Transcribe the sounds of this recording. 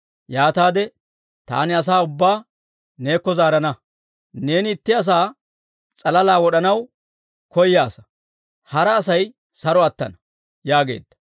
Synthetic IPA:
jaːt̪aːd̪ɛ | t̪a̰ːnɪɐs̬aːʊbːaː | ne̞ːkːɔzaːɾɐnɐ | ne̞ːnɪɪt̪ːɪɐs̬aː | t͡sʼɐlɐlaːwɔɗɐnɐw | kɔjːaːsɐ̥ | hɐɾɐːsɐj | sɐɾɔɐt̪ːɐ̰nɐ | jaːɡe̞̰ːd̪ːɐ̥

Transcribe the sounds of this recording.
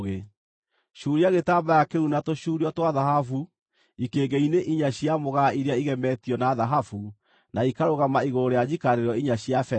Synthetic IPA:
ɣe | ʃuːɾiaɣetaːbajakeunatoɕuːɾiɔtwaðaɦafu | ikeːɡeineʔiɲaɕjamoɣaiɾeaiɣɛmɛtiɔnaðaɦafu | naikaɾoɣamaiɣoɾejad͡ʑikaɾeɾɔiɲaɕjafɛ

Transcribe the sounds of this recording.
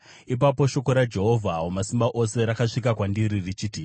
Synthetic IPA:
ip̬apo̞ʃo̞ko̞ɾad͡ʒe̞ɦovʱaomasimbaʔo̞se̞ɾakaʂik̬akwandiɾirit͡ʃiːti

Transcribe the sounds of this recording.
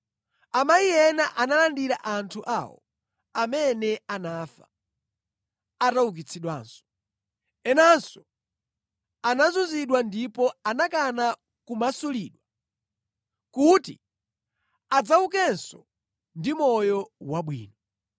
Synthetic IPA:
amajijɛnaʔanalandiɾa̰ʔantʰuʔa̰wɔ̰ | amɛnɛanaːfa̰ | atawuk̬it͡sʰiɗwa̰ːnsɔ̥ | ɛnansɔ | anazuziɗwandipɔanakana | kumasuliːɗwa | kutḭ | ad͡zauk̬ɛnsɔ | ndimɔjɔwaɓwḭːnɔ

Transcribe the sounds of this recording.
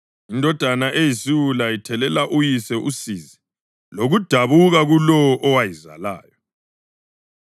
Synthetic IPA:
indʱɔd̥ʱanaʔejisiwulaitʰɛlɛlaʔujisɛʔusiːzi | loɣud̥ʱaβuɣaɣulɔɔʔɔwajiza̰la̰ːjɔ

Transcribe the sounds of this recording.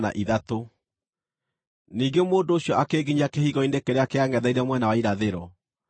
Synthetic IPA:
na̰ʔiðato | niːɡemoːndoːɕjɔʔakeːɡiɲakehiɣɔinekeɾeakeaŋɡɛðaiɾɛmwɛnawaiɾaðeɾɔ

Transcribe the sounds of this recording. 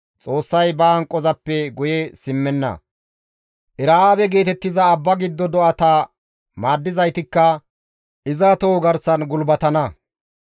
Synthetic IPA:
t͡sʼo̞ːsːɐjbɐŋkʼːɔzɐpːɛɡʊjɛsɪmːɛnːɐ̰ | ʔɪɾaːaːbɛɡe̞ːt̪ɛt̪ːɪzɐːbːɐɡɪd̪ːɔd̪ɔʔɐt̪a | maːd̪ːɪzɐjt̪ɪkːɐ | ʔɪzɐt̪oːɡɐɾsɐnɡʊlbɐt̪ɐnɐ

